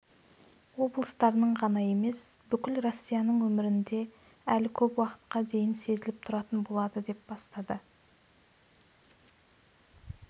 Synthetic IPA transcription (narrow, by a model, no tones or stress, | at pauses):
wo̞blˠəst̪ɑɾənəɴʁɑnɑje̞me̞sbʏkʲɪlro̞sʲːijɑnəɴwɵmɪɾɪnd̪e̞ | ælɪkʲʰɵpwɑqə̥t̪qɑd̪e̞jɪnse̞zɪlɪp̚t̪ʰʊɾɑt̪ənbo̞lˠɑd̪əd̪e̞p̚bɑst̪ɑd̪ə